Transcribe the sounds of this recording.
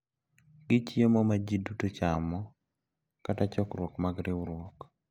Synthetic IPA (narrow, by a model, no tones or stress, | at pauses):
ɡ̥ɪt͡ʃjemɔmad͡ʒidutot͡ʃamɔ | katat͡ʃɔkɾwɔkmaɡɾɪɾwɔk